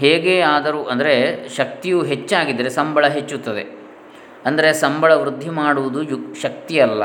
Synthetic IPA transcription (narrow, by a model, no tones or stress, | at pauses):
ɦeːɡeːaːd̪ɐɾuːʔɐnd̪ɐɾeʃɐk̚t̪ijuɦet͡ʃːaːɡid̪ːɐɾe̞sɐmbɐɭɐɦet͡ʃːut̪ːɐd̪e̞ | ɐnd̪ɐɾesɐmbɐɭɐʋɾud̪ʱːimaːɽuʋud̪ujuʃɐk̚t̪iɐlːɐ̰